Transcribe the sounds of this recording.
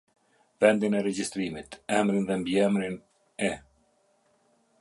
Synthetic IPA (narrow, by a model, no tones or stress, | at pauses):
vɛnd̪inɛɾɛd͡ʑist̪ɾimit̪ɛmɾinðɛmbiɛmɾin | ɛ